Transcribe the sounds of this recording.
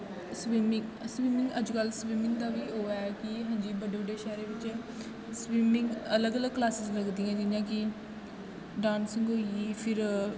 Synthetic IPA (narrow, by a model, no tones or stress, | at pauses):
swiːmɪŋɡswiːmɪŋɡəd͡ʒkəlswiːmɪŋɡd̪aːʋiːɦoːakɪɦãːd͡ʒiːbəɖebəɖeːʃɛːɾeːʋɪt͡ʃː | swiːmɪŋɡələɡələɡ̚klaːsɪzləkd̪ĩːãːd͡ʒɪjãːkɪ | ɖaːnsə̃ŋɡɦoːiiːpʰɪɾ